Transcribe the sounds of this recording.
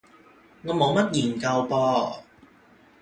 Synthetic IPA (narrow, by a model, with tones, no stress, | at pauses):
ŋɔː˨˧mo˨˧wmɐ˥t̚jiː˨˩nkɐ˧wpɔː˧